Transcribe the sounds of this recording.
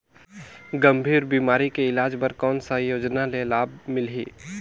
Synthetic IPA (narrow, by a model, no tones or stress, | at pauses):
ɡəmbʱiːɾbiːmaːɾikeɪlaːd͡ʒbəɾkɔːnsajoːd͡ʒnalelaːb̚mɪlɦiː